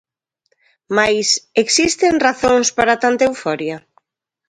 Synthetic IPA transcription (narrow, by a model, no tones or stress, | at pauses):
majseksist̪eŋraθoŋspaɾat̪ant̪ewfɔɾja